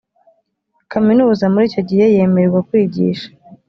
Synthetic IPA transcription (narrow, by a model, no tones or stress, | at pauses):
kaminuːzamuɾiːcoɟihe̞je̞meɾeɾɡakwiːɟḭːʃḁ